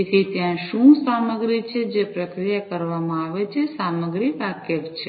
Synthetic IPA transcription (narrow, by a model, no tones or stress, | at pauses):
et̪ʰit̪jãʃũsaməɡɾit͡ʃʰed͡ʒepɾəkɾijakəɾʋamãaʋet͡ʃʰesaməɡɾiʋakəʋt͡ʃʰe